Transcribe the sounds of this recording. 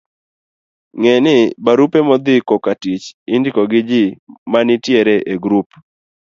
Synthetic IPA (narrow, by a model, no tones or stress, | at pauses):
ŋɛnɪbaɾupemɔd̪ɪkɔkatit͡ʃindikɔɡɪd͡ʒɪmanɪtjeɾɛʔeɡɾup